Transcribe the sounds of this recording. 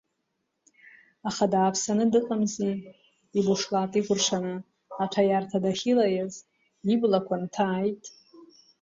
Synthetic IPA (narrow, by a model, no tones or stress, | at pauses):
aχadaːpʰsanɨdɨqʼamzi | ibuʂlatʼiɡʷʊrʂʰanɨː | tʷʰajartʰadaχʲilajaz | iblakʷʰantʰaːjtʼ